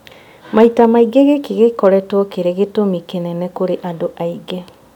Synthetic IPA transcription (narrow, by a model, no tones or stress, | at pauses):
maitamaiɡɛɣekeɣekɔɾɛtwɔkeɾeɣetomikenɛnɛkoɾeʔadoʔaiɡɛ